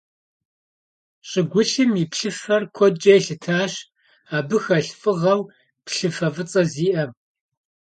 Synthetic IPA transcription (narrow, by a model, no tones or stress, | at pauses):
ɕʼɪɡʷʊɬɨmipɬɨfɐrkʷʰɔd͡ʒʼɐjɬɨtʰaːɕ | aːbɨxɐɬfʼɨʁɐw | pɬɨfɐvɨt͡sʼɐziːʔɐm